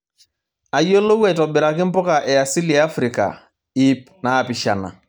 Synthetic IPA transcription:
a˨jo˦lo˦wɛ˦˨tɔ˨bɪ˨ɾa˨kɪ˦m˦pɔ˦ka˨ʔɛ˨a˨si˦la˦fɾɪ˨ka̰˨ | i˦p̚ | naː˨pɪ˨ʃa˨na̰˨

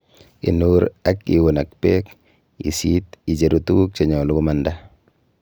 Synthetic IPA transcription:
ḭ˨nuːɾakḭ˨wo˨na˨k̚pek | ḭ˨sit̪i˨d͡ʒeɾut̪uː˦k̚t͡ʃe˨ɲɔ˨lu˦kumanda

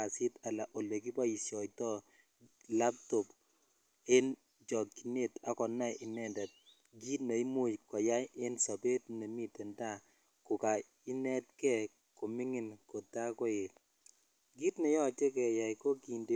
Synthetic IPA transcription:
a˨si˦ta˨la˨ʔo˨le˨k̬i˦pa˦i˨sjɔ˨tɔ˦ | la˦p̚tɔ˨p | e˦n | d͡ʒɔ˨ki˨ne˦ta˦kɔ˨na˦ɪ˨nɛ˦nda˨t̚ | ɡi˦tne˨i˦mu˦jkɔ˨ja˦je˦nsa˨be˦tne˨mi˦tɛ˨nta˦ | kʊ˨ka˨ | i˦nɛ˦t̚kɛ˦ | ko˨mi˦ŋɪ˨nko˨ta˦ko˦je˨t | ɡi˦tne˨jɔ˦˨te˦kɛ˨ja˨jko˦ki˨nde˨

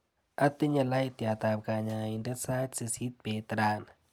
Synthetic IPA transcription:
ʔa˧t̪i˦ɲa˧la˧˦˨jt̪ja˧˩t̪aː˧p̚kaː˧ɲaː˧i˧nde˦sa˦t̪si˧si˦t̪̚peː˨t̪ɾaː˧˩˨n

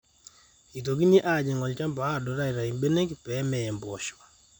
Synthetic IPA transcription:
i˨t̬o˨ki˦ni˦ʔa˦˨d͡ʒɛ˨ŋɔ˨lt͡ʃa˦mba˨˦a˦dɔ˨˦ɾa˦˨ɾa˨i˨mbe˦ne˦kpɛ˨˦mɛ˨ɛ˨mbɔ˨ʃwa˨

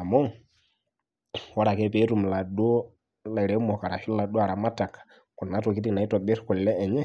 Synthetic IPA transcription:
a˨mɔ˦ | wɔ˦ɾa˨kɛ˦pɛ˨˦ɾu˦˨m̩˨la˨ɗɔ˦ | la˨i˨ɾɛ˨˦mɔ˨ka˨ɾa˨ʃi˦lla˨ɗɔ˦a˨ɾa˨ma˦ta˨kḁ˨ | ku˨na˨˦tɔ˨k̬i˦ti˨na˨i˦tɔ˨ɓɛ˦ɾi̥˦ku˨li˨lɛ˦ɛ˨ɲɛ˦

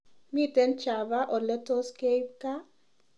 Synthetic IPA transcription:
mi˦t̪ɛ˦nt͡ʃa˨ba˦ʔɔ˨lɛ˦t̪ɔ˦ske˦jp̚ka˦

